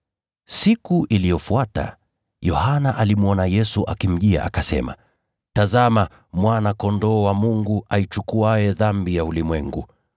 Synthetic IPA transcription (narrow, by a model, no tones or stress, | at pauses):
sikuʔilijɔfuata̰ | jɔhanaʔalimuɔnajɛsuʔakim̩ʄia̰ʔakasɛ̰ma̰ | tazama | mwanakɔndɔːwamuŋɡuait͡ʃukuajɛðambijaulimwɛŋɡṵ